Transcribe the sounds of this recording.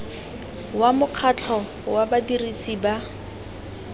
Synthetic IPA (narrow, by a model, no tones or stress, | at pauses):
wamʊq͡χʰat͡ɬʰɔ | wabadirisiːba